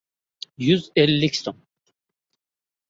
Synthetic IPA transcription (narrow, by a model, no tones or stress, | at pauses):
jyzɛlʲːicsom